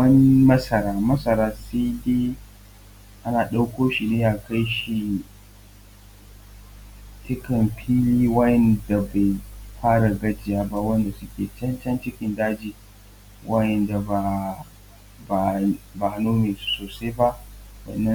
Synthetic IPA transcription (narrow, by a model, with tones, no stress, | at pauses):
ɐ˦nmɐ˦sɐ˨ɾaː˦mɐ˦sɐ˨ɾaː˦se˦deː˦ | ʔa˦naː˨ɗa˦wkʷoː˦ʃi˨neː˦ja˨ka˦jʃi˨ | t͡ʃɪ˦kɐ˨mɸʰiː˦liː˦wɐ˦jɛ˨nda˨ba˨jɸaː˦ɽa˨ɡɐ˦d͡ʒɪ˨jaː˦ba˦wɐ˦nda˨sʊ˦kʲeː˨t͡ʃɐ˦nt͡ʃɐ˦nt͡ʃɪ˦kʲɪ˨ndaː˦d͡ʒiː˨ | wʔɐ˦jɛ˨nda˨ba˨ | ba˨ba˨ha˦nuː˦meː˨su̥˦soː˨se˦jba˦ʔ | wɐ̰˨nːɐ˦